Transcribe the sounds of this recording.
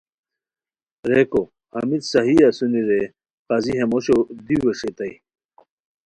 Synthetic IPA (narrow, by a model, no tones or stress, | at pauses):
ɾeko | ɐmid̪sɐɦiasuniɾe | qaziɦemoɕod̪iweɕet̪ɐi